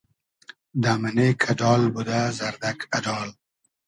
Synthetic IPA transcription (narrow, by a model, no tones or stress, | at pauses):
d̪amanekʰadɑːlbud̪azɐɾd̪akʰɐdɑːl